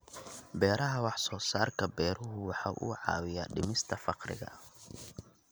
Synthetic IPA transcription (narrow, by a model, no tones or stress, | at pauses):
bɛːɾɐɦɐwɑħsɔːsaːrkʰɐbɛːɾʊɦʊwɑħɑːʔṵːʕɑ̰ːwɪjaɖɪ̰mɪst̪ʰɐfɑqrɪ̰ɣɐ̰